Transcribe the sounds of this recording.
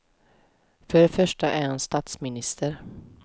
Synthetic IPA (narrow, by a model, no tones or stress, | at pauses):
fœɖɛfœʂʈaʔæɾhanst̪aːt̪smɪnɪst̪ʰəɾ